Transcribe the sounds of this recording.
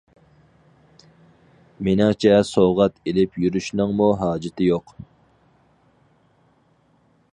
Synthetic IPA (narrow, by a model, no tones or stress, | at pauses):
menɪŋt͡ʃʰɛsoːʁɑt̪ʰelɪpʰjyɾyʃnɨŋmuɦɑːd͡ʒɪt̪ʰɪjoq